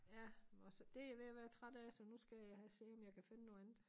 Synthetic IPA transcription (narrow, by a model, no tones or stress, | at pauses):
jæɒsɒd̥e̝ʋe̝jæʋæːɐt͡sʰʁad̥ɛːsɒ̽nusɡ̥æjhæse̝ːɒmjɑ̈ɪkʰæfe̝nənoːænð̩ˠ